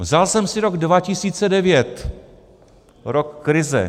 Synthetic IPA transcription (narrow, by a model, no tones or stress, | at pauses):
vzalsɛmsɪɾo̞ɡdvacɪsiːt͡sɛdɛvjɛt̪ | ɾokːɾɪzɛ̰